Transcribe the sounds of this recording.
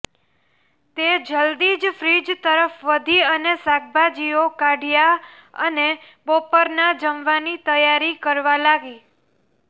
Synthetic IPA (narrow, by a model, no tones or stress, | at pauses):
t̪ed͡ʒəld̪id͡ʒfɾid͡ʒt̪əɾəfʋəd̪ʱiənesaɡ̚bad͡ʒiokaɖʱjaə̰ne | bopəɾnad͡ʒəmʋanit̪əjaɾikəɾʋalaɡi